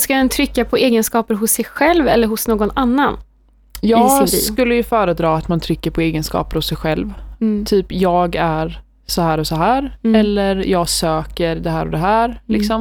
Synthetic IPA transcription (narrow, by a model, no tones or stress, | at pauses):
skaɛnt̪ʰɾʏkːapʰɔeːɡənskɑːpəɾɦʊsːɛjɧɛlvɛlːəɾɦʊsnoːɡɔnanːan | jɑːɡɡ̰kɵlːəjɵfœːɾəd̪ɾɑːat̪mant̪ʰɾʏkːəɾpʰɔeːɡənskɑ̰ːpəɾhʊsːɛjɧɛlvt̪ʰyːpjɑːɡæɾ | sɔhæːɾɔsɔɦæːɾɛlːəɾjɑːɡsøːkəɾd̪ɛhæːɾɔd̪ɛɦæːɾlɪksɔm